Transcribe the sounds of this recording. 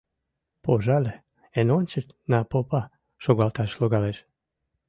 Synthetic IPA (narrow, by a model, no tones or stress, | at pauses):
poʒɑlʲ | enonʲt͡ɕət̪nɑpopɑ | ʃoɣɑlt̪ɑʃloɣɑleʃ